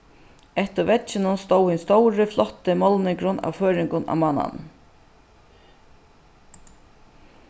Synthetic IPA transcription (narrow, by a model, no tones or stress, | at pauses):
ɛht̪ɪɾvɛt͡ʃɪnʊnst̪oːwhɪnst̪owɾɪflɔht̪ɪmɔlnɪŋkɾʊna̰wføːɾɪŋkʊna̰wmanːa̰n